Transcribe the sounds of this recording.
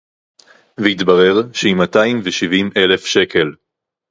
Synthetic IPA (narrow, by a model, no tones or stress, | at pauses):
veitbaʁe̞ʁʃeimataimveʃivimʔe̞le̞fʃe̞ke̞l